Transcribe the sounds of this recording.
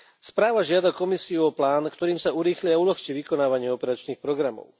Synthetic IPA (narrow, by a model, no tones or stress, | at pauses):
spɾaːʋaʒɪad̪akɔmisiuɔplaːnkt̪ɔɾiːmsauɾiːxliaulɔxt͡ʃiʋikɔnaːʋaɲɪɛɔpɛɾat͡ʃniːxpɾɔɡɾamɔ̰ʊ